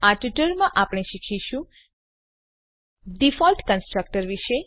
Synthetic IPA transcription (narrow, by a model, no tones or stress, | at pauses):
aʈiʈəɾmãʔapɽ̃eʃikʰiʃũ | ɖifɔlʈkənsʈɾək̚ʈəɾʋiʃe